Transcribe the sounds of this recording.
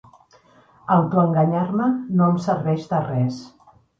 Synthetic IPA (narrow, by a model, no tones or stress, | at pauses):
əlt̪oəŋɡəɲaɾmənoəmsəɾβɛʃd̪ərɛs